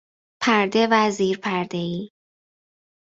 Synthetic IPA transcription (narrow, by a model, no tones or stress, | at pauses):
pʰæɾd̪evæziːɾpʰæɾd̪eiː